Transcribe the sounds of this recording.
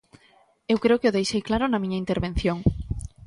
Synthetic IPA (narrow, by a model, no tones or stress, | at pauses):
ewkɾeokeoðejʃejklaɾʊnamĩɲaint̪eɾβẽn̟θjoŋ